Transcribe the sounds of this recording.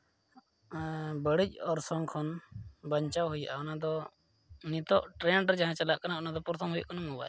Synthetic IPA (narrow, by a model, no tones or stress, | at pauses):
bəɽic̚ˀɔɾsɔŋkʰɔnbəɲt͡ʃawɦuja̰ʔaɔnad̪ɔ | nit̪ɔʔʈɾɛɳɖɾd͡ʒaɦãt͡ʃalaʔkanaɔnad̪ɔpuɾt̪ʰɔmɦujaʔkanamɔwa̰